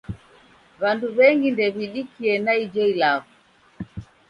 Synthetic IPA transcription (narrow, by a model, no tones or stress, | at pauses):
βanduβɛŋɡindɛβiɗikiɛnaid͡ʒɔilaɣu